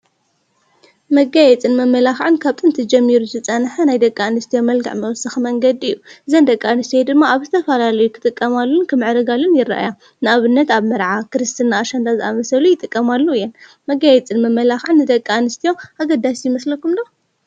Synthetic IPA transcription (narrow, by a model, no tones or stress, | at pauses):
mɐɡajɛt͡sʼɨnmɐmːɐlaxʕɨnkʰaβt̪ʼɨnt̪ʰɐd͡ʒɐmːiɾuzɨt͡sʼɐnħanajd̪ɐkʼːanɨst̪ʰijomɐlɡa̰ʕmɐwsɨxmɐŋɡɐd̪iɨjːuʔɨzɐnd̪ɐkʼːaanɨst̪ʰjod̪ɨmːaaβzɨt̪ʰɐfɐlalɐjukʰɨ̥t̪ʼɨkʼːɐmalːunkʰɨmɨʕɾɨɡalunjɪrːɐ̰ʔa̰ja | nɨaβɨnːɐt̪aβmɐɾʕakʰɨɾɨst̪ʰɨnːaːʃɐnd̪azɨamɐsɐlujɪt̪ʼɨkʼːɐmalːuɨjːɛn | mɐɡajɛt͡sʼɨnmɐmːɐlaxʕɨnːɨd̪ɐkʼːaanɨst̪ʰijo̞ʔaɡɐd̪ːasjɪmɐslɐkumd̪o